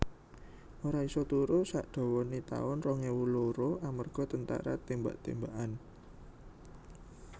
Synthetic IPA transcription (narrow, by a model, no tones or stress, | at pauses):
ʔoɾaisɔt̪uɾosa̰ʔd̪̥ɔ̤wɔnit̪a̰ʊnrɔŋewuloɾoʔamərɡ̥ɔ̤t̪ənt̪a̰ɾa̰t̪emba̰ʔt̪embaʔan